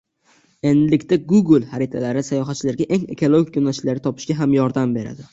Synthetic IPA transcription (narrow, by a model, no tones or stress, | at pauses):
e̞nd̪ɪlɪkʲt̪aɡuɡlˠhaɾɪt̪ʰalaɾɪsajɒɦat̪t͡ʃʰːɪlaɾɡʲaʔe̞ŋe̞̰kʰolˠoɡʲikʲʰonaʃlaɾɪt̪ʰɒpɪ̥ʃɡʲaɦamjɒɾd̪ambe̞ɾa̰d̪ɪ